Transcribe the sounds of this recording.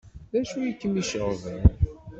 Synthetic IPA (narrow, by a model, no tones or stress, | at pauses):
ðæʃujikːəmiʃəʁðən